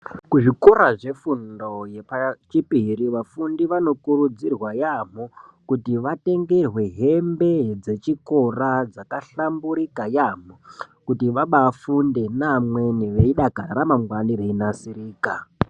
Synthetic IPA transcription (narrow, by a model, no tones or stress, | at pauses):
kuʐikoɾaʐe̞fundo̞jepat͡ʃipiɾiʋafundiʋano̞kuɾud͡zirwajam̤okutiʋate̞ŋɡe̞rwe̞ɦembe̞d͡ze̞t͡ʃiko̞rad͡zakaɬambuɾikajaːm̤okutiʋaɓafunde̞namwe̞niʋeiɗakaɾamamɡwaniɾeinasiɾiːka